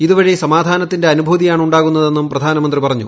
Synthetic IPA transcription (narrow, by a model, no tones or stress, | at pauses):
iðuʋɐɻisɐmaːd̪ʱaːnɐt̪ːinde̞ɐnubʱuːðijaːɳuɳɖaːɣunːɐðe̞nːumprɐd̪ʱaːnɐmɐnd̪ripɐrɐɲːṵ